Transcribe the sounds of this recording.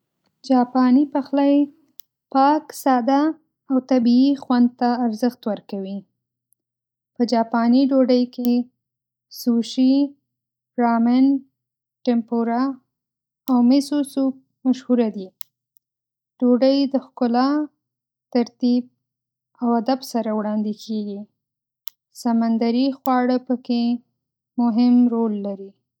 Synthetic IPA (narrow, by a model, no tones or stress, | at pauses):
d͡ʒɑpɑnipaxlaj | pɑksɑd̪a | awt̪abiːxwand̪̚t̪aːɾzəxt̪wəɾkawi | pəd͡ʒɑpɑniɖoɖəjke | suʃi | ɾɑmɪn | ʈɪmpoɾaː | wmɪsusuk̚ | maʃhuɾad̪i | ɖ̥oɖəjd̪əxkʊlɑ | t̪aɾt̪ib̚ | awad̪absaɾawɽɑnd̪ikʰeɡi | samand̪aɾixwɑɽəpəke | mʊɦɪmɾolːaɾi